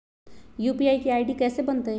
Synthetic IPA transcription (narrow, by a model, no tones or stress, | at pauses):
juːpiaːikeaːɪɖikɛːsebənt̪əj